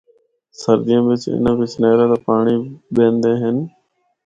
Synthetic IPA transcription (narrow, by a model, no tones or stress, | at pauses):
səɾd̪ijãːʋɪt͡ʃɪ̰nʋɪt͡ʃneːɾaːd̪aːpaːɳ̃iɓẽːnd̪ẽːɦɪn